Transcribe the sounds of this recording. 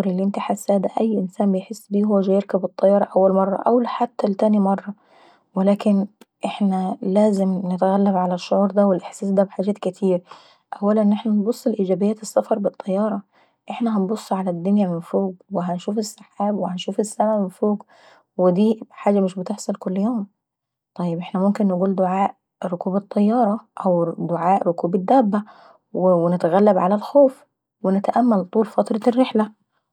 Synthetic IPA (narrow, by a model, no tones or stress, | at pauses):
ɾɪlːiʔɪnt̪iħasːaːd̪aʔajːʔɪnsaːnbɪjħɪsːbiːɦʊwːʒaːjɪɾkabɨt̪ˤːɑjːɑːɾˤɑʔawːalmɑrˤːɑ̰ʔa̰wlħat̪ːalt̪aːnimɑrˤːɑ | wɪlaːkɪn | ʔɪħnalaːzɪmnɪt̪ɣalːabʕalaʃːʊʕuːɾd̪awɪlʔɪħsaːsd̪æːbħaːʒaːt̪kɪt̪ʰiːɾ | ʔawːalanʔɪħnanbʊsˤːlʔiːd͡ʒaːbɪjːaːt̪ɨsːafɑɾˤbɨt̪ˤːɑjːɑːɾˤɑ | ʔɪħnaɦanbʊsˤːʕalad̪ːʊnjamɪnfoːɡwɪɦænʃuːfɪsːɪħaːbwɪhænʃuːfɪsːamʕmɪnfoːɡ | wɪd̪iːħaːd͡ʒːamɪʃbɪt̪ɪħsˤɑlkʊlːjoːm | t̪ˤɑjːɪbʔɪħnæmʊmkɪnːɪɡuːld̪ʊʕaːʔ | ɾʊkuːbɑt̪ˤːɑjːɑːɾˤɑʔawd̪ʊʕaːʔɾʊkuːbɪd̪ːæːbːa | wwɪnɪt̪aɣælːabʕalalxoːf | wɪnɪt̪aʔamːælt̪ˤuːlfɑt̪ɾˤɑrːɪħla